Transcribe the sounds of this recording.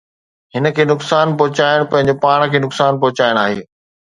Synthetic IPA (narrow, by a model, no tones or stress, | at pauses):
hɪnə̆kʰeːnʊksaːnpɐɦʊt͡ɕaːɪɽ̃pɐ̃ɦɪ̃ɲ̆d͡ʑopaːɽ̃kʰeːnʊksaːnp̬ɐɦʊt͡ɕaːɪɽ̃aːɦeː